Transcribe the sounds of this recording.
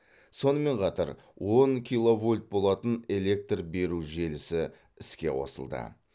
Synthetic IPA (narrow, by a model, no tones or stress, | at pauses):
so̞nəme̞ɴqʰɑt̪ɑ̰ɾ | wo̞ŋkʲʰilˠo̞vulʲt̪̚bo̞lˠɑt̪əne̞le̞k̚t̪rbe̞ɾuʒe̞lɪsɪ | ɪskʲe̞̰wo̞̰sə̰lˠd̪ə̰